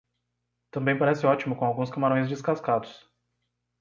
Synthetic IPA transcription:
t̪ɐ̃mbẽj̃paɾɛsɪɔt͡ʃimʊkõawɡũskɐmaɾõj̃zd͡ʒɪskaskad̪ʊs

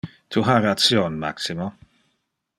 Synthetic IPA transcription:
d̥uɦarasjoːnma̰ksimɔ

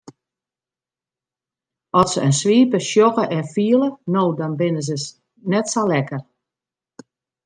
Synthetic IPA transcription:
ɔsəənsʋiːpəʃjɔɣəʔɛfiələnoːdɔnbɪnəz̬əs | nɛtsalɛkər

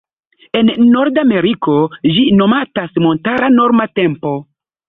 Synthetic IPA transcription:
enːo̞ɾdame̞ɾiko̞d͡ʒino̞matasmo̞ntaɾano̞ɾmate̞mpo̞

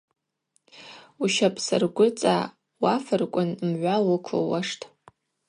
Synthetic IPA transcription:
uʃapʰʼsɨrɡʷʊt͡sʼa̰ | wafɨrkʷʼʊnmʕʷalʊkʷʰɨ̰waʂtʰʼ

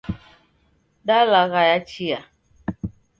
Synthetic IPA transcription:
dalaɣajat͡ʃija

